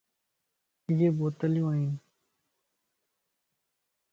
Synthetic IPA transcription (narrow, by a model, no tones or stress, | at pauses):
ɪjeːboːt̪əljũːaːɦiːn